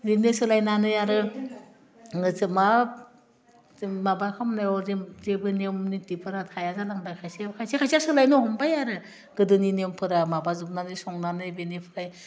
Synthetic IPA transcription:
ɾinesɯlajnanɯjaɾɯ | ŋɯzɯma | mabakʰamnajɔzezebɯnemnitipʰɯɾatʰajazalaŋdajkʰajsekʰajsekʰajsiasɯlajnɔhɔmbajaɾɯ | ɡ̥ɯdɯninempʰɯɾamabazup̚nanisɔŋnanɯbenepʰɯɾaj

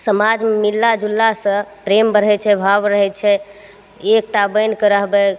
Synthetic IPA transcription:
səmad͡ʒmilːad͡ʒulːasə̃pɾembəɾɦɛt͡ʃʰɛbʱabɾəɦɛt͡ʃʰɛ | ek̚ʈabənkəɾəɦbɛ

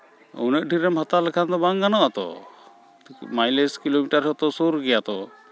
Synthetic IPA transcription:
ɔ̰nəʔ̚ʈiɾɛmɦɔt̪alɛkʰand̪ɔbaŋɡanɔʔat̪ɔ̰ | majleskilomiʈaɾɔt̪ɔsuɾɡɛjat̪ɔ

